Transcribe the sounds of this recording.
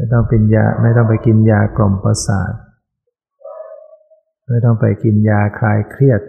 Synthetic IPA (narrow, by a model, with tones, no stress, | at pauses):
ma˥˩jt̪ɔ˥˩ŋpi˧nja̰ː˧ma˥˩jt̪ɔ˥˩ŋpa˧jki˧njaː˧klo˨˩mpa˧sa̰ː˨˩˦t̪̚ | ma˥˩jt̪ɔ˥˩ŋpa˧jki˧njaː˧kʰaː˧jkʰɾi˥˩ət̪̚